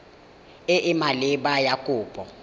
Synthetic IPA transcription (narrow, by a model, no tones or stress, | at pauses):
ɪʔɪmalɪɓajakʼʊːpʼɔ